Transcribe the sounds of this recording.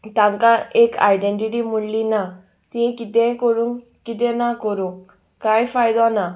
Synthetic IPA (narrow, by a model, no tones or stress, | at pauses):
t̪amkaʔeka̰ːjɖeɳʈiʈimunlina | t̪ĩẽkit̪ẽkoɾuŋ | kit̪̬ẽnakoɾũ | kajfʰajd̪ɔna